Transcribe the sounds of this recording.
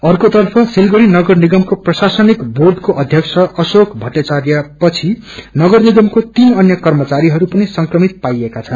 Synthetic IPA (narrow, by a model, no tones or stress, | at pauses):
ʌrkot̪ʌrpʰʌsilɡʌɾinʌɡʌrniɡʌmkoprʌsasʌnikbord̪ʱkoʔʌd̪ʱjʌkt͡sʰʌʔʌsokʰbʱʌʈ̪et͡saɾjʌpʌt͡sʰi | nʌɡʌrniɡʌmkot̪inʌnjʌkʌrmʌt͡saɾiɦʌɾupʌnisʌŋkrʌmit̪̚pajekat͡sʰʌn